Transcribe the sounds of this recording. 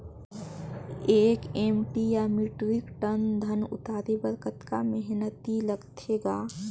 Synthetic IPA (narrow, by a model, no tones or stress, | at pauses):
eːkeːmʈijamɪʈɾɪkʈənd̪ʱənʊ̰t̪aːɾebəɾkət̪kamɛɦnət̪iləɡt̪ʰeːɡaː